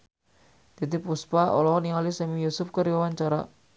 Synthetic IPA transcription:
d̪̥ad̪ipuspaʔɔ̰lɔniŋalisɛmijusʊfkəɾiwawaɲt͡ʃaɾa̰

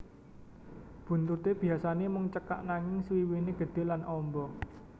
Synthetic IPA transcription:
b̥ṳnt̪ut̪eb̥i̤asanemʊŋt͡ʃəka̰ʔnaŋɪŋswiwineɡ̥ə̤d̪̥e̤lanʔɔmbɔ

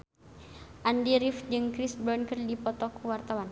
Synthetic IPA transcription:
ʔandiɾifd͡ʒɨŋkɾisbɾɔnkərdipɔt̪ɔkʰuwart̪awan

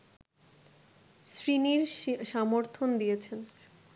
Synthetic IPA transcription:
sɾiniɾʃamoɾt̪ʰond̪ijet͡ɕʰen

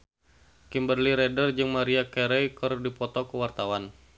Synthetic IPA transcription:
kimbərliɾɛdərd͡ʒɨŋmaɾiakɛɾɛjkərdipɔt̪ɔkəwart̪awan

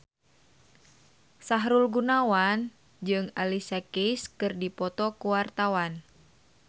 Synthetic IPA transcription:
saɦɾulɡunawan | d͡ʒɨŋalisakejskɨrdipɔt̪ɔkuwart̪awan

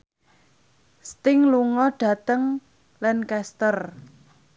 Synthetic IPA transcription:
st̪ɪŋluŋɔɖ̥ä̤t̪əŋ | lɛnkɛst̪ər

